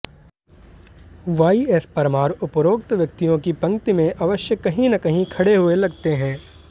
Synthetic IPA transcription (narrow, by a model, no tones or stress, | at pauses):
ʋaːiespɐɾmaːɾʊpɾoːkt̪ʋjɐk̚t̪ijõkipɐ̃ŋkt̪imẽʔɐʋəʃjəkɐɦĩnɐkɐɦĩkʰɐɽeɦʊelɐɡt̪eɦɛ̃ː